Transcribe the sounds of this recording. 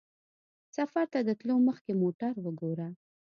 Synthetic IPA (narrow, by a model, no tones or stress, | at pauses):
safaɾt̪ad̪ət̪loməxkemoʈaɾwəɡoɾa